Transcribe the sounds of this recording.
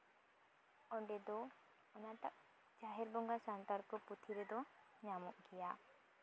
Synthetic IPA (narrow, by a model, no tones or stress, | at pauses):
ɔɳɖɛd̪ɔ | ɔnat̪aʔ | t͡ʃaɦɛɾbɔŋɡasant̪aɾkɔput̪ʰiɾɛd̪ɔ | ɲamɔʔɡɛja